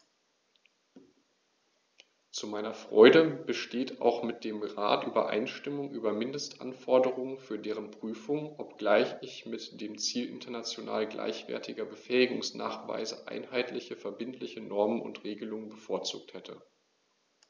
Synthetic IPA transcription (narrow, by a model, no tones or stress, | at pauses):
t͡sumaɪnɐfʁ̥ɔ̰ʏdəb̥əʃteːta̰ʊxmɪt̚d̥eːmʁa̰ːtʔyːbɐ̰ʔa̰ɪnʃtɪmʊŋʔyːbɐmɪndəstʔa̰nfɔɐdəʁʊŋənfyːɐdeːʁ̞ənpʁ̥yːfʊŋʔɔpɡ̥laɪçɪçmɪtd̥eːmt͡siːlʔɪ̰ntʰɐnat͡sjona̰ːlɡlʔa̰ɪçv̥ɛ̰ɐtʰɪɡɐbəfɛːɪɡʊŋsna̰ːχv̥a̰ɪzə̰ʔa̰ɪnhaɪtlɪçəfɛɐbɪntʰlɪçənɔɐmənʊ̰ntʁ̥eːɡəlʊŋənbəfoːɐt͡sṵːk̚thɛtʰə